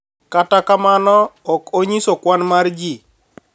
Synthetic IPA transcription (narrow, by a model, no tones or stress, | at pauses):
katakamanɔːkoɲisokwanmaɾd͡ʒi